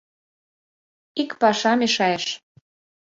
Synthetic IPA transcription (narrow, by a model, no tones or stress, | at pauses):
ikpɑʃɑmeʃɑjeʃ